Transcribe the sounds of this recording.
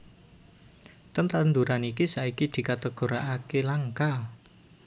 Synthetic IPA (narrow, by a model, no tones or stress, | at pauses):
t̪ənt̪and̪uɾanikisaikid̪̥i̤kat̪əɡ̥o̤ɾa̰ʔakelaŋkal